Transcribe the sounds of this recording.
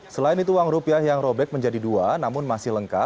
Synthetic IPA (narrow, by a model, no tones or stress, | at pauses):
səlaɪnit̪uwaŋɾupiahjaŋɾobɛk̚məɲd͡ʒadiduanamʊnmasɪhləŋkat̪̚